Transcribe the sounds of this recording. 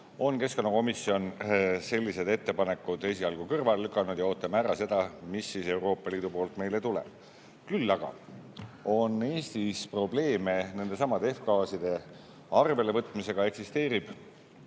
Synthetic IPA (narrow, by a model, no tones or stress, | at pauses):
o̞nke̞sko̞nːɑko̞misːio̞nse̞lʲːise̞d̪e̞t̪ːe̞pɑne̞kːˑud̪̥e̞s̬iɑlɡ̥ukɤrvɑllykˑːɑnud̪jɑo̞ːt̪ːˑɑmæɾɑse̞d̪̥ɑmisːise̞wɾo̞ːpːˑɑliːd̪upo̞ːlt̪ˑme̞jlet̪ulɛ̰̥ | kylːɑɡ̥ɑ̰ | o̞ne̞ːst̪ispro̞ble̞ːme̞ne̞nd̪̥e̞sɑmɑd̪e̞fkɑːsid̪̥e̞ | ɑrve̞le̞vɤt̪ːˑmise̞ɡ̥ɑe̞ksist̪e̞ːɾib̥